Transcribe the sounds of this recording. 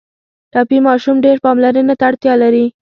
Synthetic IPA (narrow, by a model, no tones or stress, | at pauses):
ʈɑpimɑʃumɖeɾpɑmlaɾənat̪aːɽt̪jɑlaɾi